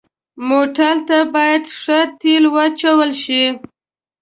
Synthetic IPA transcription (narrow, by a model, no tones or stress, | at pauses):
moʈalt̪abɑjad̪ʂət̪elwat͡ʃawəlʃi